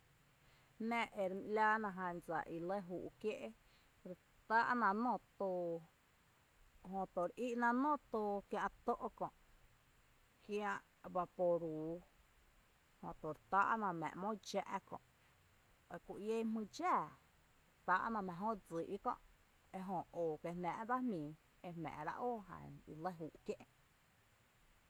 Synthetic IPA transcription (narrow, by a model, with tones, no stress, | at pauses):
nɛ̃˦˧ʔe˨ɾmĩ˧ʔlʲa˦nã˧ɦã˧nd͡za̰˨ʔi˨le˦ɦuː˨ʔkje˦ʔe˦ | ɾ | t̪a˦ʔnã˧˨nõ˧˨t̪o˧ | ɦõ˧t̪o˨ɾi˦ʔnã˧nõ˦t̪o˧kjã˧ʔt̪o˦ʔo˧kɔ̃˧˨ʔ | kj̃ã˧ʔ | ba˧po˧ɾuː˨˦ | hõ˨t̪o˨ɾt̪aː˦ʔnã˧mɛ̰̃˨mõ˦d͡ʒa˧ʔkɔ̰̃˨ʔ | e˧ku˨je˦mĩ˧d͡ʒaː˦˨ | ɾt̪a˧˦ʔnã˧mɛ̃˨ɦõ˦d͡zi˨ʔi˦kɔ̰̃˧˨ʔ | e˧ɦõ˧˨oː˨ke˧nnã˧ʔba˦mĩː˨ | e˧mɛ̰̃ː˨ʔɾa̰˧ʔoː˦˨ɦa̰˨i˧lə˦ɦuː˨ʔk̪jẽ˦ʔ